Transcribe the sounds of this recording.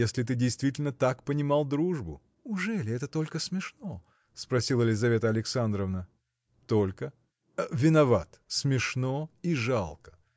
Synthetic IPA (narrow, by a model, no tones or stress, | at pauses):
jesʲlʲɪt̪̬ɨdʲɪjst̪vʲitʲɪlʲnət̪akpənʲɪmalˠd̪ɾuʐbʊ | ʊʐɛlʲɪɛt̪ət̪o̞lʲkəsmʲɪʂno | spɾɐsʲilˠəlʲɪzɐvʲe̞t̪əɐlʲɪksand̪ɾəvnə | t̪olʲkə | vʲɪnɐvat̪smʲɪʂnoiʐalˠkə̥